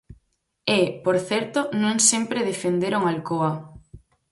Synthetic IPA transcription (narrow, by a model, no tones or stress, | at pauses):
epoɾθɛɾt̪onõŋsempɾeðefend̪eɾoŋalkoa